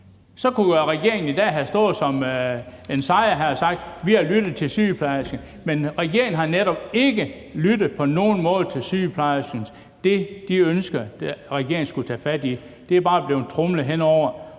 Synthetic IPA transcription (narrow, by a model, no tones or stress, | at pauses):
sɒ̽kuʁɛɡ̥e̝ɐeŋn̩id̥ɛ̰ːɦæsd̥ɔ̽ːð̩ˠsɒ̽m | e̝nsɑ̈ɪɐɦæsɑ̈ɡ̥d̥ʋihælyɾ̥ð̩ˠt͡sʰe̝lsy̰ːpʰlɑ̈ɪsɡ̥ə | menʁɛɡ̥e̝ɐ̰eŋn̩ɦɑ̈neɾ̥ɒ̽b̥̚e̝ɡ̥ə | lyd̥ð̩ˠpʰɒ̽no̝ːn̩mɔ̽ːð̞̩ˠt͡sʰe̝lsy̰ːpʰlɑ̈ɪɐsyns | d̥e̝d̥iønsɡ̥ɐ̥ʁɛɡ̥e̝ɐ̰ŋn̩sɡ̥ut͡sʰɛːfæd̥i | d̥e̝æɐb̥ɑ̈ːb̥le̝ʊt͡sʰʁɔmləɦenɒʊ̰ɐ